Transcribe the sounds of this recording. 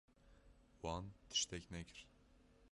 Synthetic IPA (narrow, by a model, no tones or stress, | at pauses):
wɑːnt̪ʰɨ̥ʃt̪ɛcnɛkʰɨɾ̥